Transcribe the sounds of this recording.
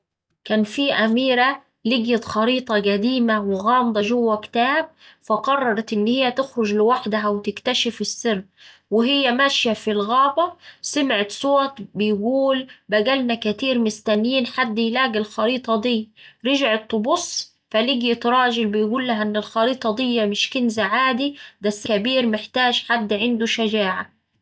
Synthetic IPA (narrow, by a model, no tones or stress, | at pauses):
kæːnfiːʔæmiːɾæ | lɪɡjat̪xɑɾiːt̪ˤɑɡæd̪iːmawɪɣɑːmd̪ˤɑʒʊwːækt̪æːb̚faqɑrˤːɑɾˤɑt̪ʔɪnːhɪjːæt̪ɪxɾʊd͡ʒlɪwaħd̪aɦæwɪt̪ɪkt̪aʃɪfɪsːɪrː | wɪɦɪjːæmæʃjafilɣɑːbɑsamʕɪt̪sˤoːt̪bɪjɡuːlbæɡælnækæt̪iːɾmɪst̪ænjiːnħad̪ːjlæːɡɪlxɑɾiːt̪ˤɑd̪ˤiːɾɪʒʕɪt̪ːʊbʊsˤ | fæliːɡjɪt̪ɾˤɑːʒɪlbɪjɡuːlːaɦæʔɪnːɪlxɑɾiːt̪ˤɑd̪ˤɪjːæmɪʃkɪnzaʕaːd̪ibæsːkæbiːɾmɪħt̪aːʒħad̪ːʕɪnd̪uʃad͡ʒaːʕa